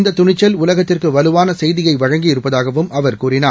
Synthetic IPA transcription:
nd̪ɐt̪ːʊɳɪt͡ʃːɐlʊlɐɣɐt̪ːɪrkɯʋɐlɯʋaːnɐsɛjðɪjɐɪʋɐɻɐŋɡɪɪɾɯpːɐðaːɣɐʋɯmɐʋɐɾkuːɾɪnaː

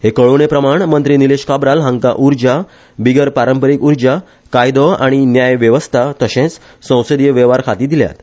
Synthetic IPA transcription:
hekəɭoñepɾəmaɳmənt̪ɾiːnileɕkabɾalɦãŋka̰ʔuɾd͡ʑa | biɡəɾpaɾəmpəɾikuɾd͡ʑa | kajd̪ɔa̰ɽ̃injajʋjəʋəst̪ʰat̪əɕẽt͡s | sə̃w̃səd̪jəʋɛʋaɾkʰat̪iːd̪ilja̰t̪

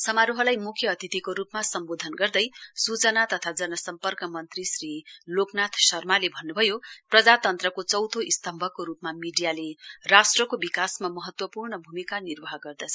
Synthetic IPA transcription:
sʌmaɾuɦʌlajmukʰjʌʌt̪it̪ikoɾupmasʌmbod̪ʱʌnɡʌrd̪ʌjsut͡sʌnat̪ʌt̪ʰad͡zʌnʌsʌmpʌrkʌmʌnt̪risriloknat̪ʰsʌrmalebʱʌnːubʱʌjoprʌd͡zat̪ʌnt̪rʌkot͡sʌwt̪ʰoist̪ʌmbʱʌkoɾupmamiɖijalerasʈrʌkobikasmamʌɦʌt̪wʌpurnʌbʱumikanirbʌɦʌɡʌrd̪ʌt͡sʰʌ

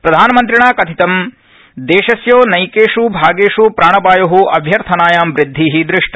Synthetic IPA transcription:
pɾɐd̪ʱaːnɐmɐnt̪ɾiɳaːkɐt̪ʰit̪ɐm | d̪eːʃɐsjoːnɐjkeːʂubʱaːɡeːʂupɾaːɳɐbaːjɐɦuʔɐbʱjɐɾt̪ʰɐnaːjaːmʋɾid̪ʱːiːɦid̪ɾɪʂʈɐ

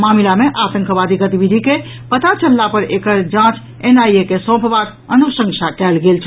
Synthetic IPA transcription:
mamilameʔat̪ə̃ŋkbad̪iɡət̪ibid̪ʱike | pət̪at͡ʃəlːapəɾekəɾd͡ʒãt͡ʃ | enajekesɔ̃pbak | ənusə̃ŋsakɛlɡelt͡ʃʰ

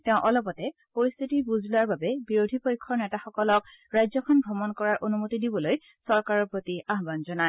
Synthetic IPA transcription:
tɛʊ̃ʔɔlɔpɔtɛpoɹist̪ʰitibuzʱlʊaɹbabɛbiɹodʱipojkʰːɔɹnɛtaxɔkɔlɔk̚ | ɹajzɔkʰɔnbʱɔmɔnkɔɹaɹʔonumotidibɔloj | sɔɹkaɹɔɹpɹotiaɦbanzɔnaj

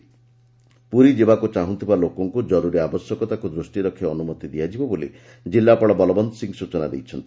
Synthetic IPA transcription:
puɾid͡ʒebakut͡ʃaɦũnt̪ʰibalokɔŋkud͡ʒɔɾuɾiabɔsjɔkɔt̪akud̪ɾusʈiɾɔkʰːiɔnumɔt̪id̪ijad͡ʒibɔbolḭ | d͡ʒilːapɔɽɭɔbɔlɔbɔnd̪ɔsiŋɡsut͡ʃɔna̰d̪ḛjt͡ʃʰɔnt̪ʰi̥

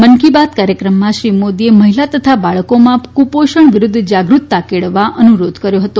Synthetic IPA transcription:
mənkibat̪̚kaɾjəkɾəmːãʃɾimod̪ieməɦilat̪ət̪ʰabaɭkomãkupoʃəɳʋɪɾʊd̪ʱːd͡ʒaɡɾut̪ːakeɭʋaʔənuɾod̪kəɾjoɦət̪o

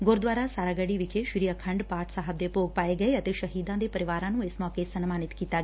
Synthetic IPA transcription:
ɡoːɾd̪ʋaːɾasaːɾaɡɐɽiʋikʰeʃɾijɐkʰɐɳɖpaːʈʰsaɦɐb̚d̪epoːɡ̚paːjeɡɐjɐt̪iʃɐɦiːd̪ãːnd̪epɐɾiʋaːɾaːnueːsmaːkeːsɐnɐmaːnit̪kit̪ːaːɡe

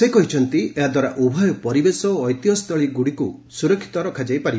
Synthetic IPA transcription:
sekɔɦit͡ʃʰɔnt̪ieɦad̪waɾaʔubʱɔjɔpɔɾibesɔːjt̪jɔst̪ʰɔɭiɡuɽikusuɾɔkʰːi̥t̪ɔɾɔkʰad͡ʒajpaɾib

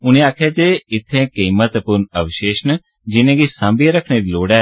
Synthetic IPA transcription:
ʊnẽːaːkʰjaːd͡ʒeːɪt̪ʰːẽːkiːmət̪pʊɾnəʋɪʃeːʃən | d͡ʒɪnẽːɡiːsãːmbijãɾəkʰɽeːɾiːloːɽɛː

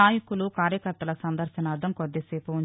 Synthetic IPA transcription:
aːjɐkulukaːɾjɐkɐɾt̪ɐlɐsɐnd̪ɐɾʃɐnaːɾd̪ʱɐmkod̪ːeseːpuu

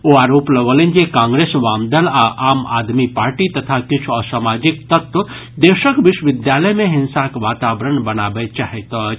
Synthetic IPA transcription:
oaːɾoːplɐʋolẽnd͡ʒekãːŋɡɾeːsʋaːmd̪əlaʔaːma̰ːd̪mipaːɾʈit̪ɐt̪ʰakɪt͡ʃʰuɔːsaːmaːd͡ʒɪk̚t̪ɐt̪wə | d̪eːʃəkʋɪʃʋɪd̪jaːləjmẽɦɪ̃nsakʋaːt̪aːʋɾənbɐnaːbet͡ʃaːɦet̪ɔ

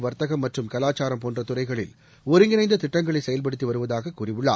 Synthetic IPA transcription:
ʋɐɾt̪ɐɣɐmːɐʈrɯmkɐlaːt͡ʃaːɾɐmpoːndrɐt̪ʊrɐɪɣɐɭɪl | ɔɾɯŋɡɪnɐɪnd̪ɐt̪ɪʈːɐŋɡɐɭɐɪsɛjɐlp̬ɐɽɯt̪ːiʋɐɾɯʋɐðaːɣɐkːuːrɪʋɯɭːa̰ː

